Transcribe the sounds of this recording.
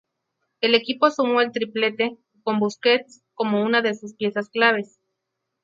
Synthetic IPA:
e̞le̞kipo̞sumoelt̪ɾiple̞t̪e̞ | ko̞mbusket̪s | ko̞mo̞unaðe̞suspje̞sasklaβ̞es

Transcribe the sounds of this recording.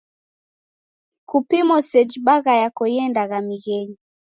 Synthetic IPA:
kupimɔsɛd͡ʒibaɣajakɔjɛndaɣamiɣɛɲi

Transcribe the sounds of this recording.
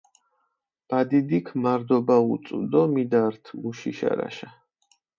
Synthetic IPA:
b̥ad̪id̪ikʰmaɾd̪ɔbaut̪sʼud̪ɔmid̪aɾt̪ʰmuʃiʃa̰ɾa̰ʃa

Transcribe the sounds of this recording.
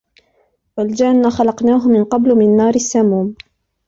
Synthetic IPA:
wald͡ʒanːaxɑlɑqnaːɦʊmɪnqɑblmɪnːɑːɾɪsːamuːm

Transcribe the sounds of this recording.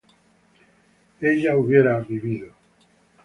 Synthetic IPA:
eʎauβjeɾaβiβiðo

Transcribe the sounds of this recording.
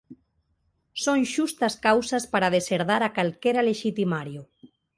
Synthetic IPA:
sonʃust̪askawsaspaɾað̞eseɾðaɾakalkeɾaleʃit̪imaɾju

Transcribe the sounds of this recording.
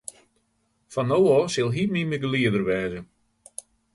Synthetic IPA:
fanowɔsɪlˠɦimiməɡəliədərʋɛːzə

